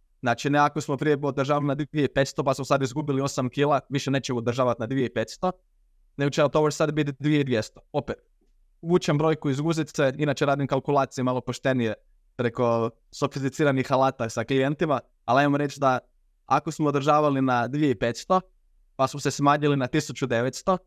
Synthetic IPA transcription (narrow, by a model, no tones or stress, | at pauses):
znaːt͡ʃineako̞smopɾijebod̪ɾ̩ʒaːʋamnad̪ʋieipe̞t̪st̪opasmosad̪izɡubilio̞samkilˠaʋiʃeneːt͡ʃeod̪r̩ʒaːʋat̪nad̪ʋijeipe̞t̪st̪o̞ | neɡot͡ʃeat̪oot͡ʃesad̪bit̪d̪ʋijeid̪ʋjest̪o̥o̞pet̪ | uːt͡ʃembɾo̞ːjkuizɡuːzit̪seinaːt͡ʃeɾaːd̪imkalˠkulˠaːt̪sijemalˠo̞po̞ʃt̪e̞nije | pɾe̞ko̞ | sofis̬t̪it̪siːɾanixalaːt̪asaklijent̪ima | alajmamɾe̞t͡ʃd̪a | akosmoːd̪ɾ̩ʒaːʋalinad̪ʋijeipet̪st̪o̞ | pasmosesmaːɲilinat̪isut͡ʃud̪e̞ʋet̪st̪o̞